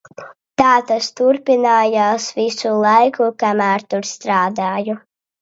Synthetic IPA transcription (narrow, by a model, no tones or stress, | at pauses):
t̪aːt̪ast̪uɾpʲinaːjaːsvisulˠɑjkukamæːɾt̪uɾst̪ɾaːd̪aːju